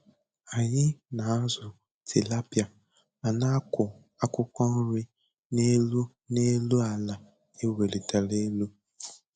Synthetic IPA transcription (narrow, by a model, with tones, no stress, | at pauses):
a˨ɲɪ˦na˨a˦zʊ˨ | tʰɪ˨la˦pja˨ | a˨na˦ʊ˨ | a˦kʷʊ˦kʷɔ˦n̩˦ɾɪ˦ | ne˦lu˦ | ne˦lu˦a˨la˨ | e˦we˨le˨ta˨le˦lu˦